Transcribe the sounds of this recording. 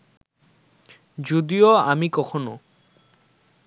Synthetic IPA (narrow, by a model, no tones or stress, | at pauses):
d͡ʑod̪ioamikɔkʰono